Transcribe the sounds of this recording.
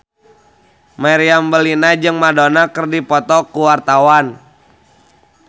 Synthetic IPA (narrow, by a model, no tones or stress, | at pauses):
maɾiambəlinad͡ʒɨŋmadonakərdipɔt̪ɔkuwart̪awan